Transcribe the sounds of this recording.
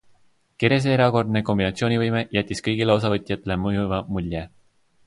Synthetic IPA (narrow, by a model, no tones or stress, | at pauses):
ke̞ɾjes̬eeɾɑko̞rd̪ne̞ko̞mbinɑt̪sio̞ːnʲivɤjme̞jæt̪ʲːiskɤjɡ̥ileo̞s̬ɑvɤt̪ʲːˑjɑt̪ːˑe̞le̞mɤjuvɑmulʲje